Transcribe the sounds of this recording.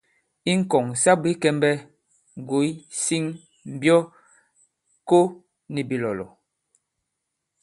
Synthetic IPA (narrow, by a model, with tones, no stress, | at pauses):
i˦ŋ̩˦˨kɔ˨ŋsa˦bi˦kɛ˦mbɛ˦ | ŋ˨ɡo˨˦jsi˦ŋ | m̩˨bjɔ˦ | ko˦ | ni˨bi˨lɔ˨lɔ̰˨